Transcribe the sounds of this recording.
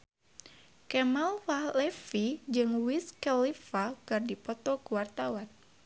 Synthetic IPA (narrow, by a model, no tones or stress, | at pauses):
kɛmalwahlɛfid͡ʒɨŋwiskɛlifakɨrdipɔt̪ɔkuwart̪awan